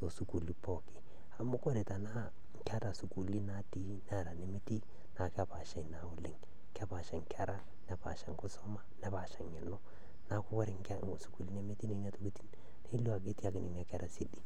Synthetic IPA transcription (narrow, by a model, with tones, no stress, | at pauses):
to˨su˨ku˨li˦pɔ˨kɪ̥˨ | a˨mʊ˦ko˦ɾe˨ta˨na˦ | ŋka˦ta˨su˨ku˨li˦na˦ti˦n˦a˨ɾa˨ne˨me˦ti˦ | na˨ka˨pa˨ʃa˨na˨ʊ˨lɪ˦ŋ | ka˦pa˨ʃa˨ŋkʰa˦ɾa˦ | nɛ˨pa̰˨ʃa˨ŋko˦sɔ˦ma˦nɛ˦pa˨ʃa˨ŋɛ˨nʊ˦ | na˦ko˦kɔ˦ɾɪ˨ŋ˦ka˦ŋo˨su˨ku˨li˦ne˦me˦ti˦ne˨na˦to˦ki˦ti˦n | ne˦lu˦a˨ke˦ti˦a˨kɪ˨ne˨na˦ka˨ɾa˦si˦di˦